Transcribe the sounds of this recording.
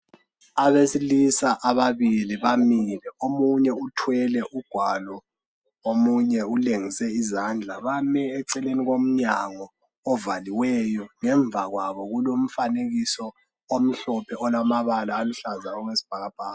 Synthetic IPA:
aβesilisaʔaβaβiliβamilɛomuɲɛutʰwɛlɛʔuɡ̥ʱwalɔ | omuɲɛuleŋisɛizand͡ɮʱaβamɛːǀɛleniɣom̩ɲaŋɔ | ɔvaliwɛjɔŋɛɱb̪vʱaɣwaβɔɣulom̩faneɣisɔ | om̩ɬɔpʰɛʔɔlamaβalaːluɬazaɔɣwesi̥b̥ʱaɣab̥ʱaːa

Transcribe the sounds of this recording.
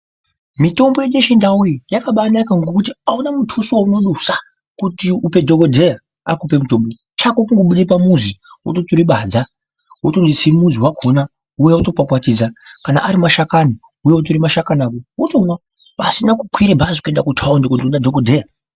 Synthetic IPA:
mito̞mbojeɗeʃindaujijakaɓanakaŋɡo̞kutiaunamutʰusouno̞ɗusa | kutiupe̞dʱokodʱe̞ja | a̰kupe̞muto̞mbo | t͡ʃakokuŋɡo̞ɓuɗipamuzi | wo̰totuɾiɓad͡za | wotondisimuziwakʰona | ujeutopakwatiːd͡zakana̰ʔaɾimaʃakani | ujeotuɾimaʃakanaːkoutomwa | pasinakukwiɾebʱazikue̞ndakutʰaondokundiunadʱokodʱeja

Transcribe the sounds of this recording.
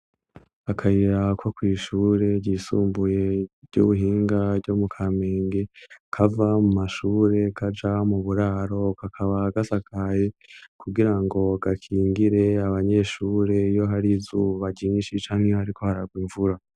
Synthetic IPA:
akʰajiɾakwokwiːʃuːɾe̞ɟiːsuːmbuje̞̥ɟṵβuɦiːŋɡavɟomukʰame̞ːŋɡe̞kʰavamumaʃuːɾe̞kʰad͡ʒamuβuɾaːɾo̞kakʰaβaɡasakʰaje̞kuɡiɾaŋɡo̞ɡakʰiːŋɡiɾe̞aβaɲe̞ːʃuːɾe̞ijo̞ɦaɾizuβaɟiːnʃit͡ʃaːŋ̥hejoaɾikʰo̞haɾaɡwiɱvuɾa

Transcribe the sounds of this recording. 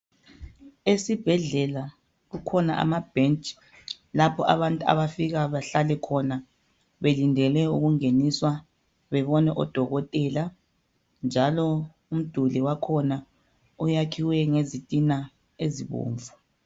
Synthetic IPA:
esib̥ʱɛɮɛla | ɣukʰɔnaʔa̰mab̥ʱent͡ʃʼi̥ | lapʰɔʔa̰βantʼua̰βafiɣaβaɬalɛkʰɔna | βelindʱɛlɛuɣuŋeniswa | βɛβɔnɛʔɔd̥ʱɔɣɔtʼɛːla | nd͡ʒʱalɔ | um̩d̥ʱuliwakʰɔna | ujakʰiwɛŋezitʼina | eziβo̰ːɱvu

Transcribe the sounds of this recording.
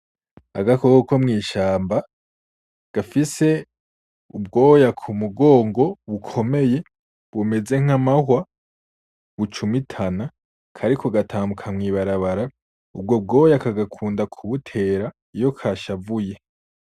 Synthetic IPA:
a̰ɡakokokʰomŋiːʃaːmba | ɡ̥afise̞ | ub̚ɡo̞ːjakʰumuɡo̞ːŋɡo̞βukʰo̞me̞je̞ | βume̞ze̞ŋ̥amahwa | βut͡ʃumitʰana | kʰaɾikʰo̞ɡatʰaːmukʰamŋiːβaɾaβaɾa | ub̚ɡob̚ɡo̞ːjakaɡakʰuːndakʰuβutʰe̞ːɾa | ijo̞kʰaʃavuje̞

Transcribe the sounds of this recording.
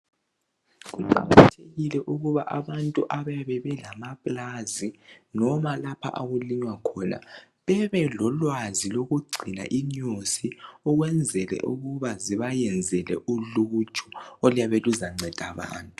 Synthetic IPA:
ɣuǃa̰ɣatʰeɣilɛʔuɣuβaʔaβantʼuʔaβajaβɛβɛlamapʼlazinɔmalapʰa̰ʔaɣuliɲwakʰɔna̰ | βɛβɛlɔlwaziloɣuɡ͡ǀʱina̰ʔiɲusiɔɣwɛnd͡zʱɛlɛ̰ʔuɣuβaziβajɛnd͡zʱɛlɛ̰ʔuluːt͡ʃʰʼu̥ɔlijaβɛluzaŋ͡ǀʱɛd̥ʱaβa̰ːntʼu

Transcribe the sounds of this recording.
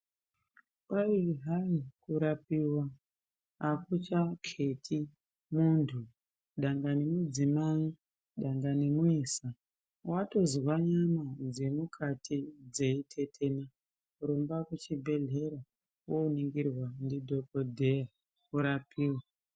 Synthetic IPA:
paiɦaikuɾapiwa | akut͡ʃakʰe̞tʰi | muntʰu | ɗaŋɡanemud͡zimai | ɗaŋɡanemuiːsa | wato̞zwaɲamad͡ze̞mukʰatʰid͡ze̞itʰe̞tʰe̞na | rombakut͡ʃibʱe̞ɮe̞ɾa | wouniŋɡirwandidʱo̞kodʱe̞ja | kuɾapiːwa

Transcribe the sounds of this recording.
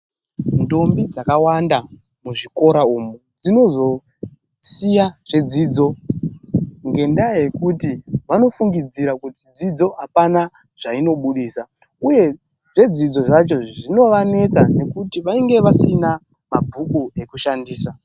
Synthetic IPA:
nto̞mbid͡zakawanda | muʐiko̞ɾaumu | d͡zino̞zo̞ | sijaʐ̥e̞d͡ziːd͡zo̞ | ŋɡe̞ndaje̞kutiʋano̞fuŋɡid͡ziɾakutid͡zid͡zo̞apana | ʐ̥aino̞ɓuɗiːsa | uje̞ | ʐe̞d͡zid͡zo̞ʐat͡ʃo̞ʐino̞ʋane̞t͡sane̞kutiʋaiŋɡe̞ʋasina | mabʱukue̞kuʃandiːsa

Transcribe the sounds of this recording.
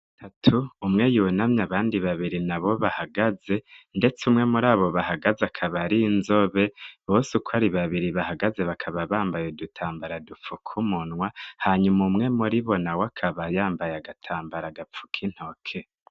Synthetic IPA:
tʰatʰuːmŋe̞junamɲaβaːndiβaβiɾinaβo̞βahaɡaze̞nde̞t͡seumŋe̞muɾaːβo̞βahaɡazakʰaβaɾiːnzo̞βe̞βosukwaɾiβaβiɾiβahaɡaze̞βakʰaβaβaːmbajodutʰaːmbaɾadup͡fukʰumunwahaɲumuumŋe̞muɾiβo̞nawakʰaβajaːmbajaɡatʰaːmbaɾaɡap͡fu̥kʰin̥hokʰe̞

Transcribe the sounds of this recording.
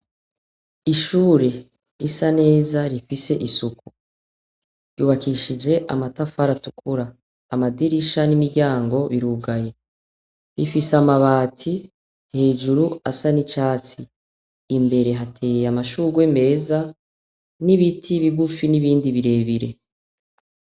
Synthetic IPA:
iʃuːɾe̞ | ɾisane̞ːzaɾifise̞ʔisuku̥ | ɾjuːβakiʃid͡ʒe̞ʔamatafaɾatukʰuɾaː | madiɾiʃanimiɾɟaːŋɡo̞βiɾuːɡaje̞ | ɾifiseamaβaːtʰi | he̞ːd͡ʒuɾuasanit͡ʃaːt͡siː | mbe̞ɾe̞ɦatʰe̞ːjamaʃuːɡwe̞me̞ːza | niβitʰiβiɡufiniβiːndiβiɾe̞ːβiɾe̞̰

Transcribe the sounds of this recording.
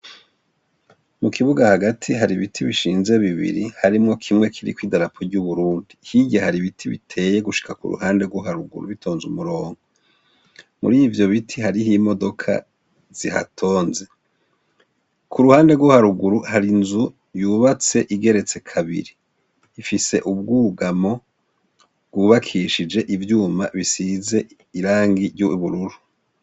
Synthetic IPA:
mukʰiβuɡahaɡatʰiɦaɾiβitʰiβiʃiːnze̞βiβḭɾihaɾimŋo̞kʰimŋe̞kʰiɾḭkwiːdaɾapʰoɾɟuβuɾuːndihiɟahaɾiβitʰiβḭtʰe̞ːjeɡuʃi̥kakṵɾṵhaːnde̞ɡwoɦaɾṵɡṵɾṵβitʰo̞ːnzumuɾo̞ːŋɡo | mṵɾivjo̞βitʰiɦaɾiɦimo̞do̞kʰa̰ | z̥iha̰tʰo̞ːnze | kʰuɾuhaːnde̞ɡwohaɾuɡuɾuhaɾinzu | juːβat͡se̞ʔiɡe̞ɾe̞t͡se̞kʰaβḭɾiː | fise̞̰ʔub̚ɡuːɡamo̞ | bɡuːβakʰiʃid͡ʒe̞ʔivjuːmaβisize̞ | iɾaːŋɡiɾjuβuɾuɾu

